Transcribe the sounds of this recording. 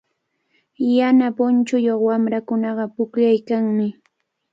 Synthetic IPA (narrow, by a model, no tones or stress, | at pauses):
janapʊnt͡ʃʊjoχwamɾakʊnɑɢɑpʊkʎajkaŋmɪ